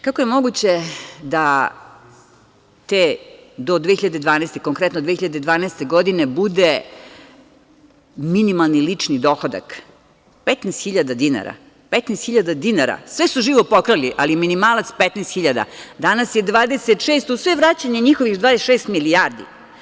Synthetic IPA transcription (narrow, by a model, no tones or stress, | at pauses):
kako̞jemo̞ɡut͡ɕed̪a | t̪ed̪od̪vexiʎad̪ed̪ʋaːnɛːst̪ekoŋkɾɛt̪nod̪ʋexiʎad̪ed̪ʋaːneest̪e̞ɡo̞d̪inebud̪e | minimalˠnilit͡ʂnid̪oxod̪a̰k | pet̪nest̪xiʎad̪ad̪ina̰ɾa̰ | pet̪nest̪xiʎad̪ad̪inaɾa̰sʋesuʒiːʋopokɾaliʔalieminimalat̪spet̪neːst̪xiʎad̪a̰d̪anasje̞d̪ʋaːd̪eset̪ʃeːst̪usʋeʋɾat͡ɕaɲeɲixoʋixd̪vaːd̪esʃeːst̪miliaɾd̪ḭ